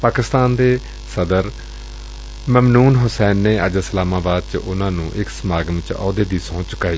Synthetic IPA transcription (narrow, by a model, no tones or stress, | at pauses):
paːkɪst̪aːnd̪eː | səd̪əɾ | məmnuːnɦʊsɛːnːeːəd͡ʒəsəlaːmaːbaːd̪̚t͡ʃʔʊnãːnũːʔɪksəmaːɡənt͡ʃɔ̰ːd̪eːd̪iːsõːt͡ʃʊ̥kːaːi